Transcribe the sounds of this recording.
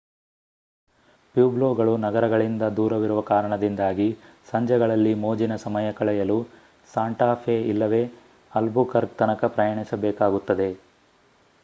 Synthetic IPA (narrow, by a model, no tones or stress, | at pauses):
pjuːbloːɡɐɭunɐɡɐɾɐɡɐɭind̪ɐd̪uːɾɐʋiɾuʋɐkaːɾɐɳɐd̪ind̪aːɡi | sɐɲd͡ʒɛɡɐɭɐlːimoːd͡ʒinɐsɐmɐjɐkɐɭɛjɐlu | saːɳʈaːpʰeilːɐʋe̞ː | ɐlbukɐɾɡ̚t̪ɐnɐkɐpɾɐjɐɳisɐbɛːkaːɡut̪ːɐd̪e̞